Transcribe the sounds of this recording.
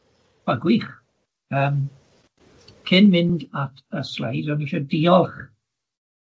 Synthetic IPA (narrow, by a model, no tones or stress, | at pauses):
b̥aɡwiːχ | əːm | kʰɪnmɪndatʰəslḛjzɔniʃɔdiːɔlˠχ